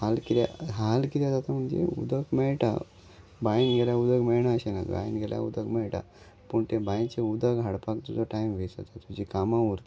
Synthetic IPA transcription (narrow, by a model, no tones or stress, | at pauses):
haːlkiɾja̰ɦaːlkiɾjad̪at̪amund͡ʒḛṵd̪ɐkmejʈa̰ | bajnɡelaud̪ɐkmejɳaɕena̰d̪̰ba̰ːjnɡelja̰ṵd̪ɐkmejʈa̰ | puɳʈebajt͡ʃeud̪aɡɦɐɽpakt̪uzoʈajmʋesa̰t̪at̪ud͡ʒikamauɾt̪